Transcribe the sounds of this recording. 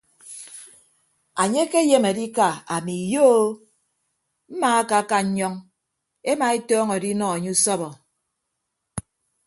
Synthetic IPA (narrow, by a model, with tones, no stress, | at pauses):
a˨ɲe˦ke˦je˦me˨di˦ka˨a˨mi˨jo˦ | m̩˦maː˨a˦ka˨˦ka˦ɲ̩˦ɲɔ˦ŋ | e˦ma˨e˦tɔː˦ŋɔ˨di˦nɔ˦˨a˨ɲe˦u˦sɔ˦bɔ˨